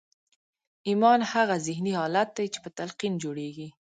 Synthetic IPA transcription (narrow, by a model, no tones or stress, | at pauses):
imɑnhaɣazɪhnihɑlat̪̚d̪ajt͡ʃe̥pət̪alqind͡ʒoɽeɡi